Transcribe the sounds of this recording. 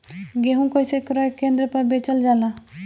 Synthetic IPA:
ɡeɦũkojsekɾɔekːẽnd̪ɾepəɾbet͡ʃəld͡ʒala

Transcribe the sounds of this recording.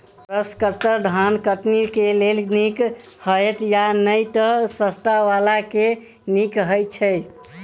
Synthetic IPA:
pɾəskəɾt̪əɾɖʱankəʈniɾkelelnik | həjet̪janəjt̪əsəst̪aʋalake | nikɦəjt͡ʃʰə

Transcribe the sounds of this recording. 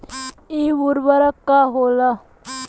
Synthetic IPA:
iʋuɾbəɾəkːaɦola

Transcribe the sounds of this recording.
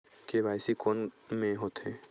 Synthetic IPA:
kebajsikonmẽɦot̪e

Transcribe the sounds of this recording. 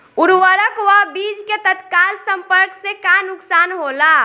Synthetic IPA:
uɾwəɾəkwəbiːd͡ʒket̪ət̪kaːlsə̃mpəɾksekanʊksaːnɦolaː

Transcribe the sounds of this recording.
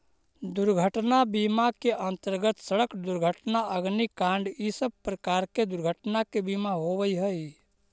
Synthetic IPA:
d̪uɾɡʱəʈnabimakeʔənt̪əɾɡət̪səɽəkd̪uɾɡʱəʈnaəɡnikãɳɖisəb̚pɾəkaɾked̪uɾɡʱəʈnakebimaɦobəjɦəj

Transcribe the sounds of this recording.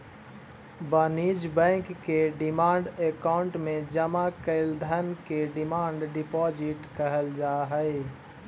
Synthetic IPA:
bəːniːd͡ʒbɛ̃ːŋkːeɖɪmaːɳɖekaːʊɳʈmẽd͡ʒəmakəɪld̪ʱənkeɖɪmaːɳɖɖɪpɔːd͡ʒɪʈkəɦəld͡ʒaːɦəe

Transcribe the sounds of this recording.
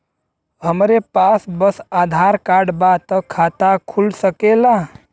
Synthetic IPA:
ɦəmɾepaːsbəsaːd̪ʱaɾkaːɾɖbat̪əkʰːaːt̪akʰulsəkela

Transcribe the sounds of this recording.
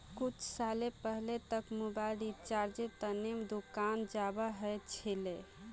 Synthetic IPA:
kut͡ʃʰsalepəɦlet̪əkmubaɪlit͡ʃaɾd͡ʒet̪ənemd̪ukand͡ʒabəɦəjt͡ʃʰile

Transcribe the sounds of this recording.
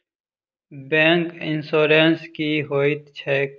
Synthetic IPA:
bẽːŋkɪnsoːɾeːnskiɦoːit̪t͡ʃʰeːk

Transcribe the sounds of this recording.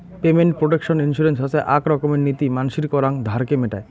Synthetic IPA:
pemeɳʈ̚pɾoʈekʃɔninʃuɾensɦasʰeʔakɾɔkomeɾnit̪imanʃiɾkɔɾaŋd̪ʱaɾkemeʈa̰e

